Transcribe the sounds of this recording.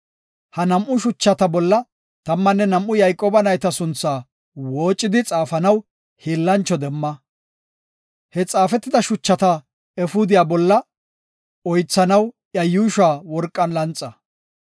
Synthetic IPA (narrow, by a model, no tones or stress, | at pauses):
hɐnɐmʔʊʃʊt͡ʃːɐt̪ɐbɔlːɐ | t̪ɐmːɐnːɛnɐmʔʊjɐjkʼːoːbɐnɐjt̪ɐsʊnt͡sːaː | wo̞ːt͡ʃʼːɪd̪ɪt͡sʼaːfɐnɐw | heːlːɐnt͡ʃːɔd̪ɛmːɐ | hɛt͡sʼaːfɛt̪ːɪd̪ɐʃʊt͡ʃːɐt̪ɐ | ɛfʊd̪ɪjaːbɔlːɐ | ɔjt͡sːɐnɐw | jɐjuːʃaːwɔɾkʼːɐnlɐnt͡sʼːɐ